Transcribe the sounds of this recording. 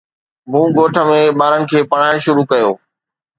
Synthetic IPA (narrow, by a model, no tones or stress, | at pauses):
mũːɡoːʈʰə̆mẽɓaːɾənɪ̆kʰeːpɐːɽ̤ãːʃʊɾukɐjoː